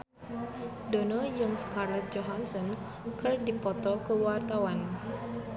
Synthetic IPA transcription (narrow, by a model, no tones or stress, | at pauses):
dɔnɔd͡ʒɨŋskarlɛt̪̚d͡ʒɔɦansɔn | kɨrdipɔt̪ɔkəwart̪awan